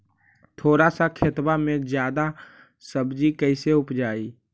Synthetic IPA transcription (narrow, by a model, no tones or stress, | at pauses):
t̪ʰoːɾasakʰet̪bamẽd͡ʒjaːd̪a | səbd͡ʒikəɪseʊpd͡ʒaːiː